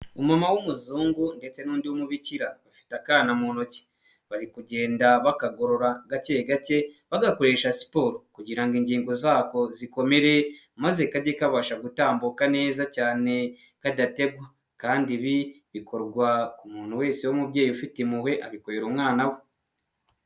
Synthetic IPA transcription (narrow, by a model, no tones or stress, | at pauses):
umamawomuzuːŋɡunde̞t͡se̞nuːndiwomuβiciɾaβafi̥takaːnamono̞ce̥ | βaɾikuɟe̞ːndaβakaɡo̞ɾo̞ɾaɡaceɡace̞βaɡako̞ɾe̞ːʃasi̥poːɾokuɟiɾaŋɡiɲɟiːŋɡo̞zaːko̞ziko̞me̞ɾe̞ | maze̞kaɟekaβaʃaɡutaːmbukane̞ːzacaːne̞ | kadate̞ɡwa | kaːndiβi | βikʰo̞ɾɡwaumuːnhuwe̞ːsewomuβje̞ːjufitimuwe̞ʔaβiko̞ɾeɾuːmŋaːnawe